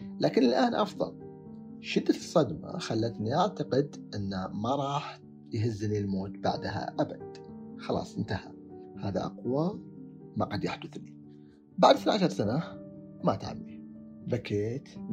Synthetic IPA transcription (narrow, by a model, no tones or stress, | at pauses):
laːkɪnɪlʔaːnʔɑfðˤɑ̰l | ʃɪd̪ːasˤːɑd̪ma̰xalːat̪niʔaʕt̪aqɪd̪ʔɪnːamaɾˤɑːħ | jɦɪzːnilmoːt̪ba̰ʕd̪ɦa̰ʔabad̪̥xɑlɑ̰ːsˤʔɪnt̪aha | haːða̰ʔɑ̰qwa | maqad̪jaħd̪ʊθli | baʕd̪θnʕaʃɑɾˤsana | mat̪ʕa̰mːi | bakeːt̪